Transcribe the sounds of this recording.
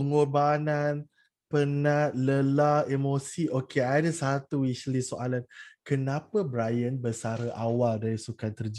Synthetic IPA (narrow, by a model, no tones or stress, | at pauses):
pəŋorbanan | pənaʔ̪̚ləlaemosiʔokeadəsat̪uiʃlisoʔalankənãpəbɾajənbəsaɾəʔawaldaɾisukant̪ərd͡ʒ